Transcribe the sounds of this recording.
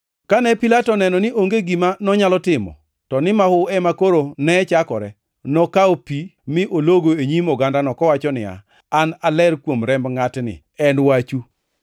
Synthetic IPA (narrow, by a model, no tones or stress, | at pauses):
kanɛpilatɔnɛnɔnɪʔoŋɡeɡimanɔɲalɔtɪmɔ̰ | tɔnɪmahʊɛmakoɾonɛt͡ʃakɔɾɛ | nɔkaopimɪʔoloɡoeɲimɔɡandanɔkɔwat͡ʃɔnɪa̰ | analɛrkwomɾɛmbŋatnɪ̰ | ɛnwat͡ʃu